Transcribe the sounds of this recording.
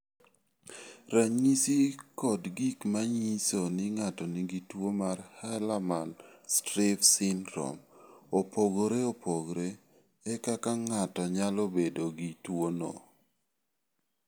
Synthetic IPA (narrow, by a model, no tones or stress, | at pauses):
ɾaɲisikɔdɡikmaɲisonɪŋatɔniɡitwomarhalamanstɾɪfsɪndɾɔ̰mopoɡoɾeopoɡɾe | ɛkakaŋatɔɲalobedoɡitwono̰